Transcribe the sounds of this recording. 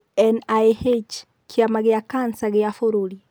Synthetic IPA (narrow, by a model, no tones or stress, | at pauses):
ɛnajhɛt͡ʃ | kʰiamaɡɛakansaɡɛafɔɾuli